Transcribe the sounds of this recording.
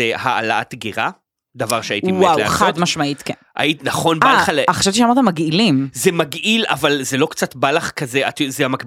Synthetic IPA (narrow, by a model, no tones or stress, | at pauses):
ehaa̰la̰at̪ɡiʁa | d̪avaʁʃeaitimwaweχad̪maʃmait̪keʔa̰itinaχo̞nbalχaleaχʃavt̪iʃeamaʁt̪amaɡilimzemaɡila̰valzelo̞kt͡sat̪balaχkazeat̪zeamakb